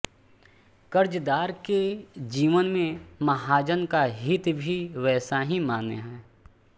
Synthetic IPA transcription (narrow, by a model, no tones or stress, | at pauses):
kəɾd͡ʒd̪aːɾked͡ʒiːʋənmẽmɐɦaːd͡ʒənkaɦɪt̪bʱiʋɛːsaɦimaːnḛɦɛ̃ː